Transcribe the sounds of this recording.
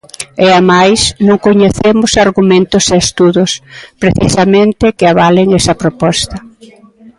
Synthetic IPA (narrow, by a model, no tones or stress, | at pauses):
eamajsnõŋkoɲeθemʊsaɾɣumẽnt̪ʊseːst̪uðʊspɾeθisɐmẽnt̪ɪkɪaβalɪŋɛsɐpɾopɔst̪ɐ